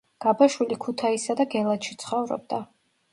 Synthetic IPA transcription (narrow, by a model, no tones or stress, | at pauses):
ɡ̥abaʃwilikʰut̪ʰaisad̪aɡɛlˠat̪ʃit̪sʰχɔvɾɔ̰b̚d̪a